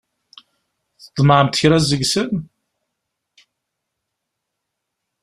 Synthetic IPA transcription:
θəd̪ˤməʕəmt̪çɾæzəɡsən

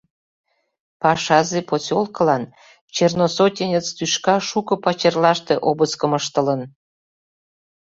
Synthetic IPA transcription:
pɑʃɑzeposʲolkəlɑn | t͡ɕernosotʲenʲət͡st̪yʃkɑʃukɤ̆pɑt͡ɕerlɑʃt̪eʔobəskə̆məʃt̪ə̆lən

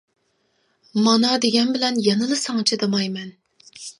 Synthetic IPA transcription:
mɑnɑd̪eɡʲɛnbɪlɛnjɑnɨlˠɨsɑŋt͡ʃʰɛd̪ɑmɑjmɛn

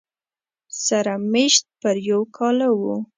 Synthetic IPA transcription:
saɾameʃt̪̚pəɾjawkʰɑlawu

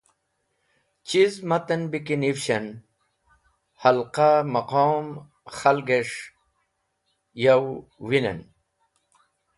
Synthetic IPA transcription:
t͡ɕizmat̪ɐnbikinifɕɐn | hɐlqamɐqoːm | xɐlɡeʂ | jawwinɐ̰n

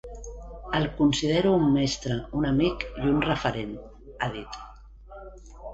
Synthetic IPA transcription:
əlˠkunsiðeɾuːmːɛst̪ɾəunəmikjunrəfəɾen | aðit̪

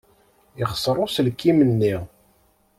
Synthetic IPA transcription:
ɪχə̥sˤɾˤosəlkːimənːi

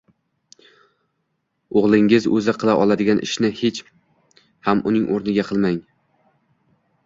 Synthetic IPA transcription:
oʁlˠɪŋɪzɵzɪqʰɨlˠaʔɒlˠad̪ɪɡʲanʔɪ̰ʃnɪhet͡ʃ | hamʊnɪŋʔoɾnɪɡʲaqʰɨlˠmaŋ

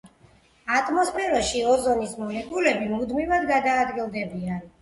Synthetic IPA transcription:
at̪ʼʰmɔspʰɛɾɔʃiɔzɔnismɔnɛbulɛbimud̪mivad̪ɡad̪aːd̪ɡilˠd̪ɛbian

